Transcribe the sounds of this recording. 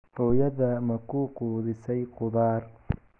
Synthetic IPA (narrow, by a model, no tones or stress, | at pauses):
hɔːjɐðɐmɐkʰuquːðɪsɛjqʊðaːr